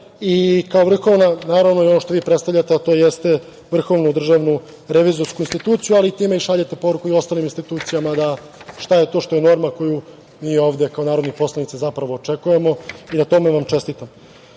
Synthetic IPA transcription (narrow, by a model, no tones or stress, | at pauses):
ikaoʋr̩xo̞ʋnanaːɾaʋno̞io̞no̞ʃt̪o̞ʋiːpɾet̪st̪aʋʎat̪eat̪o̞ːjest̪e̞ | ʋr̩xo̞ʋnud̪r̩ʒaʋnu | ɾe̞ʋizo̞ɾskuinst̪it̪uːt̪sijualiːt̪iːme̞iʃaʎet̪e̞po̞ɾukuio̞st̪aːliminst̪it̪uːt̪sijamad̪a | ʃt̪aje̞t̪oʃt̪o̞jeno̞ɾmako̞ju | miːo̞ːʋd̪ekao̞naːɾod̪nipo̞slˠanit̪sezapɾaʋo̞ːt͡ʂe̞kuje̞mo̞inat̪o̞meʋamt͡ʃe̞st̪iːt̪am